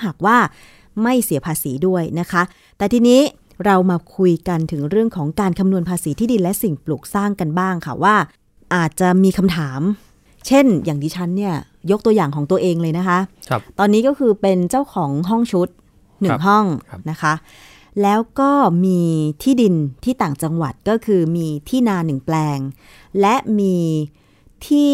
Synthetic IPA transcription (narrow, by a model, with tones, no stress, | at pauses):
ɦaː˨˩k̚waː˥˩ | ma˥˩jsi˨˩˦ɐpʰaː˧siː˩˦du˥˩əjna˦˥kʰa˦˥ | t̪ɛː˨˩t̪ʰiː˧niː˦˥ | ɾa˧wmaː˧kʰu˧jka˧nt̪ʰɯ˩˦ŋɾɯ˥˩əŋkʰɔː˩˦ŋkaː˧nkʰa˧mnu˧ənpʰaː˧siː˩˦iː˥˩di˧nlɛ˦˥si˨˩ŋpluː˨˩k̚saː˥˩ŋka˧nbaː˥˩ŋkʰa̰˥˩waː˥˩ | ʔaː˨˩t̪̚t͡ɕa˨˩miː˧kʰa˧mt̪ʰaː˩˦m | t͡ɕʰe˥˩njaː˨˩ŋt̪ʰiː˧t͡ɕʰa˦˥nːi˥˩ɐ | jo˦˥k̚t̪u˧əjaː˨˩ŋkʰɔː˩˦ŋt̪u˧əʔeː˧ŋlɤː˧jna˦˥kʰa˦˥ʔt̪ɔː˧nːiː˦˥kɔː˥˩kʰɯː˧pe˧nt͡ɕa˥˩wkʰɔː˩˦ŋɦɔ˥˩ŋt͡ɕʰu˦˥t̪̚ | nɯ˨˩ŋɦɔ˥˩ŋna˦˥kʰa˦˥ | lɛː˦˥wkɔː˥˩miː˧t̪ʰiː˥˩di˧nt̪ʰiː˥˩t̪aː˨˩ŋt͡ɕa˧ŋwa˨˩t̪̚kɔː˥˩kʰɯː˧miː˧t̪ʰiː˥˩naː˧nɯ˨˩ŋplɛː˧ŋ | lɛ˦˥ʔmiː˧ | t̪ʰiː˥˩